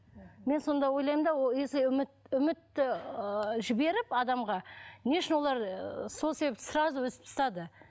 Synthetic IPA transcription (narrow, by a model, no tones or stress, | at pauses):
me̞nso̞nd̪ɑwo̞jlˠɑjmd̪ɑwolˠesemɪt̪ʏmɪt̪ːɪ | ʒɪbe̞ɾɪpɑd̪ɑmʁɑneʃɪnwo̞lˠɑɾso̞lˠsebep̪sɾɑzəwɵsɪp̪̚ʊst̪ɑd̪ə